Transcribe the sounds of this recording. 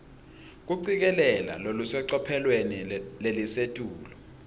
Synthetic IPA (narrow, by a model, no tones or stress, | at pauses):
k̬uǀik̬ɛlɛla̰lolusɛǀɔpʰɛlwenilelisetʼuːlɔ